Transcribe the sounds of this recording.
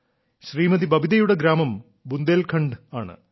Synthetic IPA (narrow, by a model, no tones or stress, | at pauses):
ɕriːmɐd̪ibɐbid̪ɐjuɽeɡɾaːmɐm | bund̪eːlkʰɐɳɖaːɳɨ̰